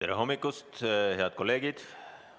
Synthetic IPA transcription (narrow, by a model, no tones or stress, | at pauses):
eɾeɦo̞mːikːˑust̪he̞ɑd̪̚ko̞lːe̞ːɡ̥id̪̥